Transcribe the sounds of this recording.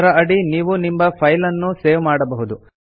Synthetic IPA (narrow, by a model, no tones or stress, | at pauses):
ɾɐɐɽiniːʋunimbɐpʰɐjlɐnːuseːʋmaːɽɐbɐɦud̪u